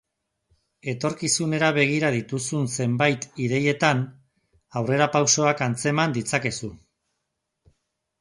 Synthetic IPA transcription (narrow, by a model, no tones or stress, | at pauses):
e̞t̪o̞ɾkisune̞ɾaβ̞e̞ɣ̞iɾað̞it̪usunse̞mbajt̪iðe̞je̞t̪an | awre̞ɾapawso̞akant͡se̞mand̪it͡sake̞su